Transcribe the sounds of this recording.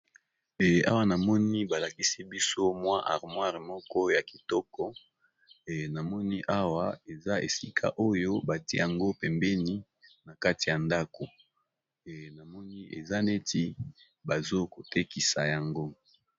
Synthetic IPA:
ɛ˨a̰˦wa˦na˨mɔ˦ni˦ba˨la˨ki˦si˦bi˦so˦mwa˦ʔa̰˨ʁmwa˦ʁmɔ˦kɔ˦ja˨ki˨tɔ˦kɔ˦˨ | na˨mɔ˦ni˦ʔa˦wa˦e˨za˦ḛ˨si˦kʰa̰˦ʔo˦jo˦ba˨ti˦e˦ja˨ŋɡo˦pɛ˨mbɛ˦ni˦ | na˨ka˦ti˨ja˨nda˦ko˨ | na˨mɔ˦ni˦ʔḛ˨za˦ne˦ti˦ | ba˨zo˦ko˨te˦ki˨sa˨ja˨ŋɡo˦

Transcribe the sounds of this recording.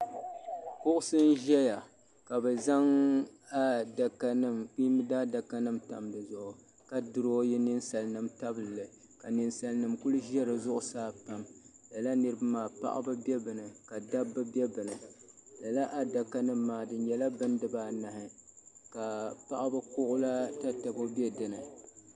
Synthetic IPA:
kʊ˦ʔʊ˦sɨ˦n˦ʒɛ˦ja˨ | ka˨bɨ˨za˦ŋ | a˦da˨ka˦nɨ˦mk͡pi˦mɨ˦daː˦da˨ka˦nɨ˦mta̰˨mdɨ˨zʊ˨ʔʊ˨ | ka˨dɨ˨ɾo˦jɛ˦nɨ˦nsa˨lnɨ˨mta˦bɨ˨lːɨ˨ | ka˨nɨ˨nsa˨lnɨ˨mku˦lu˦ʒɛ˦ɾɨ˨zʊ˦ʔʊ˦saː˦pa˦m | la˨la˦nɨ˦ɾɨ˦ba˦maː˨pa̰˦ʔa̰˦bɨ˦bɛ˦bɨ˨nɨ˨ka˨da˦bːɨ˦bɛ˦bɨ˨nɨ˨la˨la˦ʔa˦da˨ka˦nɨ˦mːaː˨dɨ˨n˦ɲɛ˨la˦bɨ˦ndɨ˨baː˦na˨hɪ˨ka˨pa˦ʔa˦bɨ˦kʊ˦ʔʊ˦la˦ta˦ta˨bo˦bɛ˦dɨ˨nɨ˨

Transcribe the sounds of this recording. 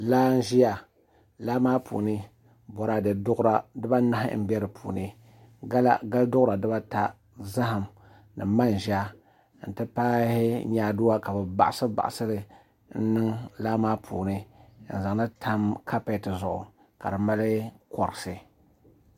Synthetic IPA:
laː˦n˦ʒi˦ja˨ | laː˦maː˦pʰṵː˨nɨ˦ | bɔ˨ɾa˨dɨ˨dʊ˦ɾa˦dɨ˦ba˦na˦hɪ̰˦m̩˦bɛ˦ɾɨ˨pʰṵː˨nɨ˦ | ɡa˦la̰˦ɡa˦ldʊ˦ʔʊ˦ɾa˨dɨ˦ba˦ta˨ | za˦ɦa˨m | nɨ̰˨ma˦n˨ʒa˦ | n̩˨tɨ˦paː˦hɪ˦ɲaː˦du˦wa˦ka˨bɨ˨ba̰˨ʔa˨sɨ˦ba̰˨ʔa˨sɨ˦ɾɨ˨ | n̩˦nɨ˦ŋlaː˦maː˦pʰṵː˨nɨ˦˨n̩˨za˨ŋ˦na˦tʰa˦mkʰa˦pe˦tɨ˨zʊ˨ʔʊ̰˨ | ka̰˨dɨ˨ma˦lɨ˦kɔ˨ɾɨ˨sɨ˨

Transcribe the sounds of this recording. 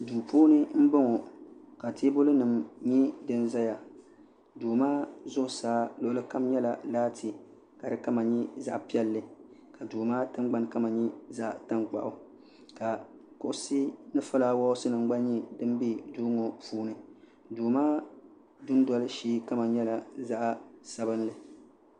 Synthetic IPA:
duː˨puː˦nɨ˦m̩˦bɨ˦ŋɔ˨ka˨tʰe˦bʊ˦lɨ˦nɨ˨mɲi˦dɨ˦nza˦ja˨ | duː˨maː˦zʊ˦˨saː˦lʊ˨ʔʊ˦lɨ˦ka˦mɲɛ˦la˨laː˦tʰi˨ | ka˨dɨ˦ka˦ma˨ɲi˦za̰˦ʔpi˦ɛ˦lːɨ˨ka˨duː˨maː˦tɨ˦ŋɡ͡ba˦n˦ka˦ma˨ɲi˦za˦ʔta˦ŋk͡pa̰˨ʔʊ˨ | ka˨kʊ˨ʔʊ˨si˦nɨ˦fʊ˦laː˨˦wɔ˦ʊ˦sɨ˦nɨ˨ŋɡ͡ba˦ɲi˦dɨ˦m˦bi˦duː˦ŋo˨puː˦nɨ˨ | duː˨maː˦ | dʊ˦n˦dɔ˨lɨ˦ʃiː˦ka˦ma˨ɲɛ˦la˨za˦ʔsa˦bɨ˦nlɨ˨

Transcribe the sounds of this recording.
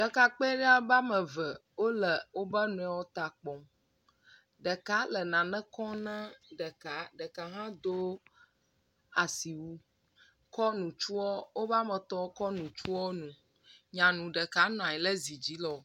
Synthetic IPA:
ɖə˨ka˨k͡pɛ˦ɖe˦a˦ba˦mə̃˨və˨wo˦lə˨wo˦bə˦nũ˨ɛ˨wɔ˦t̪a˨k͡pɔ̃˨ | ɖə˨ka˦lə˨nã˨nɛ̃˦kɔ˦nə̃˦ɖə˨ka˨˦ɖə˨ka˨ɦã˦d̪o˦ | a˨si˨wu˦ | kɔ˦nũ˨t͡ʃu˦ɔ˦wo˦va˦mə̃˨t̪ɔ˦kɔ˦nũ˨t͡ʃu˦ɔ˦nũ˨ | ɲã˨nũ˨ɖə˨ka˦nɔ̃˨ã˨jɛ˨lə˦zi˨d͡ʑi˨˦lɔ˨

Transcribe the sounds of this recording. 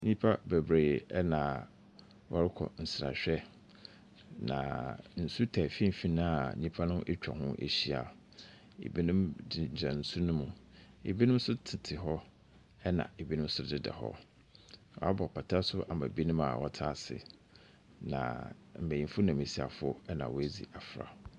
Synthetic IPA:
ɲĩ˦pʰa˦be˨bɾeː˨ɛ˦nã˨ | wʔɔ˦ɾɪ˦kʰɔ̰˨n̩˨sɾa̰˨ɕᶣɛ˦ | nã̰˨n̩˨su˦tʰɛ˨fĩ˦m˨fi˦nã˦a̰˨ɲĩ˦pʰa˦nʊ̃˦ʔe˦t͡ɕᶣa̰˨ɦʊ̃˦ʔḛ˨ɕi˦a̰˨ | ḛ˨bi˦nʊ̃˦mdɪ˨d͡ʑã˨n̩˦su˦nʊ̃˦mũ˨ | ḛ˨bi˦nʊ̃˦m̩˦sʊ˦tʰɪ˨tʰɪ˨ɦɔ˦ | ɛ˦nã̰˨e˨bi˦nʊ̃˦m̩˦sʊ˦dɪ˦dɛ̰˨hɔ̰˦ | wa˦bɔ˨pʰa˨tʰa˦sʊ˦ʔa˨ma̰˨bi˦nʊ̃˦ma̰˨wɔ˦tʰa˦˨sɪ̰˨ | nã̰˨m̩˨bæ˨jĩ˨mfʊ˦nã˨me˨si˨a̰˨fʊ˦ʊ˦ɛ˦nã˨wɔ˨˦æ˦d͡zḭ˨a˨fɾa̰˨

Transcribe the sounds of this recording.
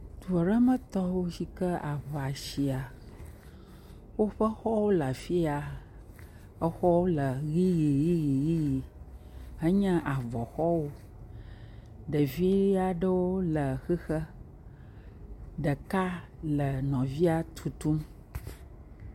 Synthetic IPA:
d̪u˨ɔ˨ɖə˦mə̃˦t̪ɔ˦wo˦ɕi˦kə˦ʔa˨βa˨ɕi˨a˨ | wo˦ɸə˦xɔ˦wo˦la˨fi˦a˨ | ə˦xɔ˦wo˦lə˨ɣi˦ji˨ɣi˦ji˨ɣi˦ji˨ | ɦə˦ɲɛ̃˦ʔa˨vɔ˨xɔ˦wo˦ | ɖə˨vi˦i˦a˨ɖə˦wo˦lə˨xi˦xə˦ | ɖə˨ka˦lə˨nɔ̃˨vi˦a˦t̪ʰu˨t̪u˦m

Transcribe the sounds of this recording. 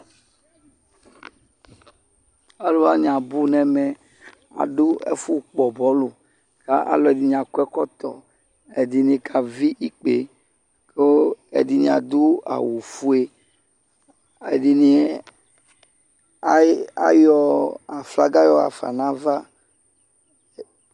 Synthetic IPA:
a˨lo˦a˦ɲ˨ã˨bu˦nɛ̃˦mɛ˨ | a̰˨ɖo˦ḛ˦fu˦k͡pɔ˨bɔ˦lo˨ | ka˦ʔa̰˨lɔ˨ɛ˨di˨ɲ˨a˨ku˦ɛ˦kɔ˦t̪ɔ̰˨ | e˨di˨nĩ˨˦kʰa˨vi˦ʔi˦k͡pe˨ | ke˦ḛ˨di˨nĩ˨a̰˨d̪u˦a̰˨wu˨fu˦e˦ | e˨di˨ni˦ | a̰˦jɔ˦a˨fla˦ɡa˦jɔ˦a̰˨fa̰˨nã˦va˦

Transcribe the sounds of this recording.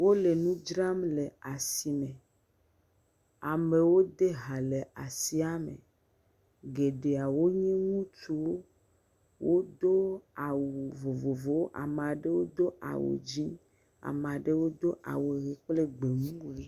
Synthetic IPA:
wo˦le˨nũ˦d͡ʒɾa˦mle˨a˨si˨mẽ˨ | a˨mẽ˨wo˦d̪e˦ɦa˨le˨a˨si˦a˦mḛ˨ | ɡe˨ɖe˨a˨wo˦ɲĩ˦ŋũ˦tu˨wo˦ | wʔo˦d̪o˦a˨wu˨vo˨vo˨vo˨˦ʔa̰˨mã˨ɖe˦wo˦d̪o˦ʔa̰˨wṵ˨d͡ʒi˦ | a̰˨m˨a˨ɖe˦wo˦d̪o˦ʔa̰˨wo˨ɣi˨k͡ple˦ɡ͡be˨ŋũ˦e˦

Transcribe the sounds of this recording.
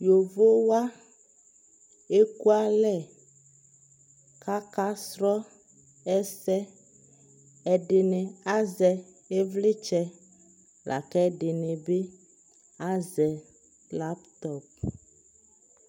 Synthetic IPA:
jo˨vo˦wa˦ | e˦ku˦a˦lɛ˦˨ | ka˦ka˦sɾɔ˦ | ɛ˦sɛ˦ | ɛ˨ɖe˨nɛ̃˨a˦zɛ˨ | e˦vle˦t͡ʃɛ˦ | lʔa̰˨kɛ˦ɖe˨nɛ̃˨be˦ | a˦zɛ˨ | la˦pt̪ɔ˦p̚

